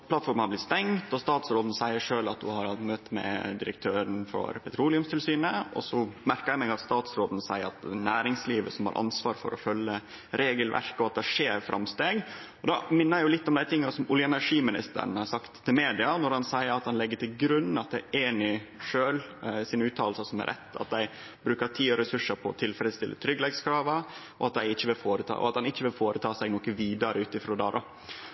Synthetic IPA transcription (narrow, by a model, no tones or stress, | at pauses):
pʰlɑt̪fɔɾmənhɑblɪt̪st̪ɛŋt̪ɔst̪ɑːt̪sɾoːd̪n̩sæɪəʂøːlɑt̪̚d̪ʉhɑɾhɑlt̪møːt̪ːmɛ̰d̪ɪɾə̰k̚t̪ʰøːɾənfɔ̰ɾpʰɛt̪ʰɾuːlɪʊmst̪ɪlsyːnəʔɔ̰sɔmæɾkəɾjæɪmɛɡɑt̪st̪ɑːt̪sɾoːd̪n̩sæɪəɾɑ̰t̪næːɾɪŋsliːʋəsɔmhɑ̰ɾʔɑ̰nsʋɑːɾfɔ̰ɾɔ̰fœlːə | ɾeːɡəlʋʔæ̰ɾkəɔɑt̪̚d̪ɛʂeːɾfɾʔɑ̰mst̪eːɡ | ɔd̪ɑmɪnːəɾjʊlɪt̪ːɔmd̪æɪt̪ʰɪŋːɑsɔmʊljəɛnæʂiːmɪnɪ̰st̪ə̰ɾɳ̩hɑsɑkt̪ʰːɪlmeːd̪ɪɑnɔɾhɑnsæɪəɾɑt̪hɑnlɛɡːəʈɪlɡɾʉnːn̩ɑt̪̚d̪æɪʔeːnɪʂøːlsɪnʉːt̪ʰɑːlsəsɔmæ̰ɾʔɛ̰t̪ʰːɑ̰t̪̚d̪æɪ | bɾʉːkət̪ʰiːɔɾɛsʉʂːəɾpʰɔːt̪ʰɪlfɾɛd̪st̪ɪlːʔə̰t̪ʰɾʏɡəlɛɡskʰɾɑːʋɑ | ɔɑt̪̚d̪æɪɪçːəʋɪlfoːɾət̪ʰɑ̰ːʔɔ̰ɑt̪hɑnɪçːəʋɪlfoːɾət̪ʰɑːsɛɪɡnɔkːəʋiːd̪ɑɾəʉːt̪ɪfɾɔd̪æ̰ːɾɔ